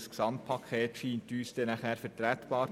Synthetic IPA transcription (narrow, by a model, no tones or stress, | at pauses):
sksɑmtpʰɑkʰeːtʃiːntyːsd̥ɛnæχhæːɾfəɾtɾæt̪b̥ɑːɾ